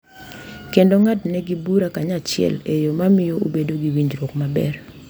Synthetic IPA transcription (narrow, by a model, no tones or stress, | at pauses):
kendoŋatnɛɡibuɾakaɲat͡ʃɪɛ̰lejomamɪjoobedoɡiwiɲd͡ʒɾokmabɛ̰r